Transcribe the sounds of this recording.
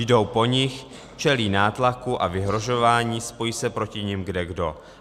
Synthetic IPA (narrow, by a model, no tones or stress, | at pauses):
jdo̞wpo̞ɲɪx | t͡ʃɛliːnaːt̪lakuʔavɪɦɾo̞ʒo̞vaːɲiːspo̞jisɛpɾo̞cɪɲɪmɡdɛɡdo̞